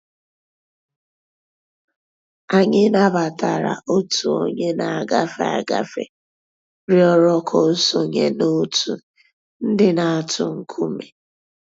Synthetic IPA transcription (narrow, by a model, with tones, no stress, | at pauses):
a˨ɲɪ˦na˦ba˨ta˨ɾa̰˨ʔo˦tʰu˨o̰˦ɲe˦na˨a˨ɡa˦fe˦a̰˨ɡa̰˦fḛ˨ | ɾi˦ɔ˦ɾɔ˦kʰɔ˨˦so˨ɲe˦no˦tu˨ | n̩˦dɪ˦na˨a˨tʰʊ˨ŋ̩˦kʰu˦me˨